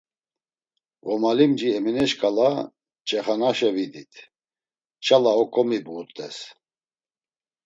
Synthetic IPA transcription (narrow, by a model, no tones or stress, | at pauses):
ɣɔmalimd͡ʒiɛminɛʃkʼala | t͡ʃʼɛχanaʃɛvid̪it̪ʰ | t͡ʃʰʼalaɔkʼɔmibuːɾt̪ʼɛ̰s